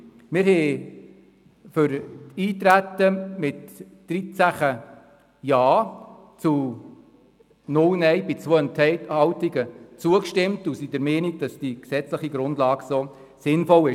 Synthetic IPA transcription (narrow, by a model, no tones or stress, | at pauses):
mɪɾhɛ | fʏɾtiːt̪ɾætːəmɪt | d̥ɾit͡sæχə | jɑː | t͡su | nʊlnɛjb̥ɪt͡soːəntʰɛhɑwtiɡət͡suəkʃtɪmtusidəɾmɛːniɡ̚d̥ɑsd̥iksɛt͡sləχiɡɾʊndlɑːɡso | sɪnfɔlɪ